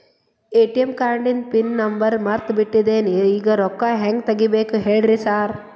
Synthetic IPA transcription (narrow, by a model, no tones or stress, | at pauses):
eːʈijɐmkaːɳɖinpinːɐmbɐɾmɐɾt̪biʈːid̪eːniiːɡɐɾɔkːaɦɛŋɡ̚t̪ɐɡibeːkuɦeːɭɾisaːɾ